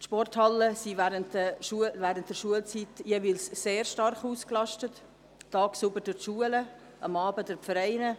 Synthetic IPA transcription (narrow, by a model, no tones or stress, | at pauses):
tʃpɔrthɑləsivɛːɾəntəʃuəvæːɾənt̚d̥ɛɾʃuəlt͡sitjeviːlsːeːɾʃtɑrχuːsklɑʃtət | tɑːksubəɾd̥ʊɾtʃuələ | ʔɑ̰mɑːbədəɾfəɾaɪnə